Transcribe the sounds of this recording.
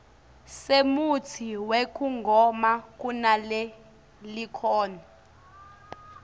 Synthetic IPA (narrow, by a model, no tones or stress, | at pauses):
semut͡sʰiwekʰʼuŋɡʱɔmak̬ʼunalɛ | likʰɔːna